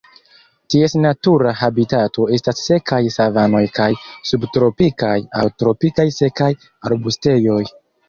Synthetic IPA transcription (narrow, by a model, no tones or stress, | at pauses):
tie̞snatuɾaɦabitatʰo̞e̞stasːe̞kʰajsavano̞jkajsubtɾo̞pikaja̰wtɾo̞pikajse̞kaj | aɾbuste̞jo̞j